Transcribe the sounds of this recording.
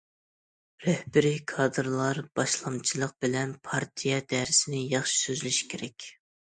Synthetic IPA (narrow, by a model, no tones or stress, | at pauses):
ɾɛhbɪɾikʰɑːd̪ɨɾlˠɑɾb̥ɑʃlˠɑmt͡ʃʰilˠəq̚b̥ɪlɛnpʰɑɾt̪ʰijɛd̪ɛɾɪsɪnɪjɑχʃi̥søzylyʃi̥kʲʰeɾɛkʲ